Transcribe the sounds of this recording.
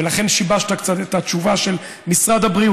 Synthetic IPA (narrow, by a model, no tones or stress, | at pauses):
elaχe̞nʃibaʃtakt͡sat̪e̞t̪at͡ʃuvaʃe̞l | misʁad̪habʁi